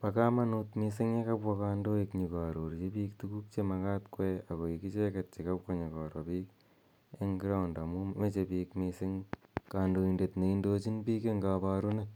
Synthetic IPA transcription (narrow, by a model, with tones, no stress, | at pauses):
pa˨ka˦ma˦nutmisɪ˦ŋe˦ka˦pwɔ˧kando˦ikɲi˨ka˨ɾo˨ɾt͡ʃe˦piː˦ktuku˦k̚t͡ʃemaka˦tkwe˦a˨ko˨iki˦t͡ʃe˦kat̚t͡ʃe˨ka˦pko˦ɲi˨kɔ˨ɾɔ˨piːk | e˦ŋɡɾa˦unda˨mu˦me˦t͡ʃepiːkmisɪŋkaːndo˨inde˨tne˨indo˦t͡ʃi˦npi˦ke˦ŋɡa˨pa˧ɾu˦ne